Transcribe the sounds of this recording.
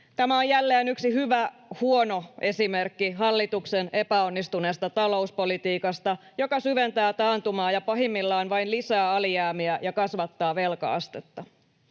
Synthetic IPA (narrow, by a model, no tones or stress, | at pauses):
t̪æmæojælːeːnyksihyʋæhuo̞no̞ʔe̞simerkːiɦɑlːit̪uksene̞pæonːist̪une̞ːst̪ɑt̪ɑlo̞uspo̞lit̪iːkɑst̪ɑjo̞kɑsyʋent̪æːt̪ɑːnt̪umɑːjɑpɑɦimːilːɑːnʋɑinlisæːɑliæːmiæjɑkɑsʋɑt̪ːɑːʋe̞lkɑ̰ɑ̰st̪et̪ːɑ